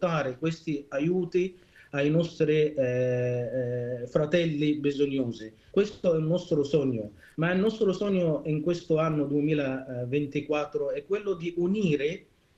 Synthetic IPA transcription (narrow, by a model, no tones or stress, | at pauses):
t̪aːɾɪkwest̪iajuːt̪i | ajnɔst̪ɾi | fɾat̪ɛlːibizoɲːoːzi | kwest̪oɛunːɔst̪ɾʊsɔɲːo | mailnɔst̪ɾosɔɲːoiŋkwest̪ʊanːʊd̪uemiːlavent̪ikwat̪ːɾʊɛkːwelːʊd̪iuniːɾɪ